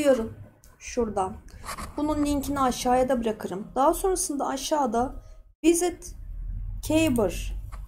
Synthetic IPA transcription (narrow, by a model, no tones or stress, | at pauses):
ɯjo̞ɾum | ʃuɾd̪anbununlʲincʰiniaʃaːjad̪abɯɾakʰɯɾɯmd̪̥aɦaso̞nɾasɯnd̪aːʃaːd̪avizɛt̪ | cʰejbɯɾ̥